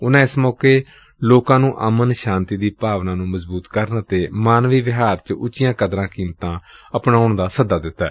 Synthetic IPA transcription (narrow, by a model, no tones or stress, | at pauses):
ʊnãːɪsmɔːkeː | loːkãːnũːʔə̰mənʃãːnt̪iːd̪iːpaːʋnãːnũːməzbuːt̪kəɾnt̪eːmaːnʋiːʋɪɦaːɾt͡ʃʊt͡ʃɪjãːkəd̪ɾãːkiːmt̪ãːəpnaːʊɳd̪aːsəd̪aːd̪ɪt̪ːɛː